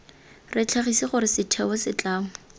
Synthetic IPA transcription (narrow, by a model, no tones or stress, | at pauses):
rɪt͡ɬʰaχisiχʊɾɪsɪtʰɛbɔsɪt͡ɬaːmʊ